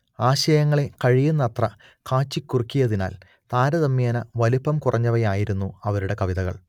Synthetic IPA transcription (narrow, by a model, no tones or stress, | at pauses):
aːɕɐjɐŋːɐɭe̞kɐɻijɐnːɐt̪rɐ | kaːt͡ɕːikʲːurikʲːijɐðina̰ːl | t̪aːɾɐðɐmːjaːnɐʋɐlipːɐmkurʔɐɲːɐʋɐjaːjiɾunːuɐʋɐɾuɽe̞kɐʋiðɐɣɐ̰ɭ